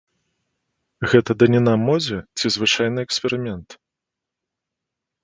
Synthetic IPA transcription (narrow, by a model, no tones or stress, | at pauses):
ɣɛt̪ɐd̪ɐnʲinamːɔd͡zʲɛt͡sʲizvɨt͡ʂajnɨɛksʲpʲɛɾɨmʲɛnt̪